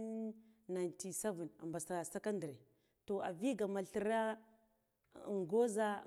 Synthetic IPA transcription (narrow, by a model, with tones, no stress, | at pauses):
nna˨nti˨se˦vi˨na̰˨mba˨sa˨sa˦ka˦ndə˨ɾe˨ | to˨a̰˨vi˦ɡa˨ma˨ɬə˨ɾa˦˨ | ŋɡo˦za˦˨